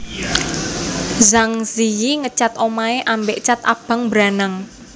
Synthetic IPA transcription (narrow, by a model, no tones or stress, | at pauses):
zaŋzijiŋət͡ʃat̪omaeʔambeʔt͡ʃat̪a̰b̥a̤ŋbɾanaŋ